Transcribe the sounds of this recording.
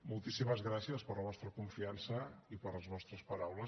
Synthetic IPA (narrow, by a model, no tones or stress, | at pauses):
mulˠt̪isiməzɣɾasiəspəɾləβɔst̪ɾəkuɱfiansəipəɾləzβɔst̪ɾəspəɾawlə